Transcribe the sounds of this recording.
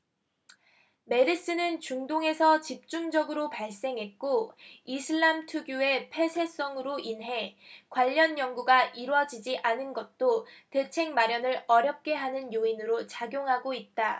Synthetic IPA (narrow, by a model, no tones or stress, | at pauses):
me̞ɾis͈ɯnɯnt͡ɕuŋdoŋe̞sʰʌt͡ɕip̚t͡ɕ͈uŋd͡ʑʌɡɯɾopaɭs͈e̞ŋɦe̞t̚k͈oisʰɯɭːamtʰuɡjue̞pʰe̞sʰe̞s͈ʌŋɯɾoʔinɦe̞kwaʎːʌnjʌŋɡuɡaʔiɾwʌd͡ʑid͡ʑiʔanɯnɡʌt̚t͈ote̞t͡ɕʰe̞ŋmaɾjʌnɯɾʌɾjʌp̚k͈e̞ɦanɯnjoinɯɾot͡ɕaɡjoŋɦaɡoit̚t͈a